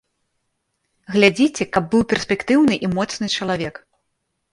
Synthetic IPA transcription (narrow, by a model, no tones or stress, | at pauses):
ɣlʲad͡zʲit͡sʲɛkɐbːɨwpʲɛrsʲpʲɛkt̪ɨwnɨʔimɔt̪snɨt͡ʂɐlˠavʲɛk